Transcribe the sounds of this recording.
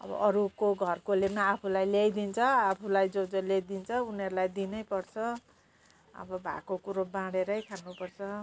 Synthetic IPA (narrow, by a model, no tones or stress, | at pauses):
ʌ̰bʌ̰ʔʌɾukoɡʱʌrkolemaːpʰulajlejd̪int͡sʰʌapʰulajd͡zod͡zolejd̪int͡sʰʌuneɾulajd̪inʌjpʌrt͡sʰʌ | ʌ̰bʌbʱa̰kokuɾobãɽeɾʌjkʰanːupʌrt͡sʰʌ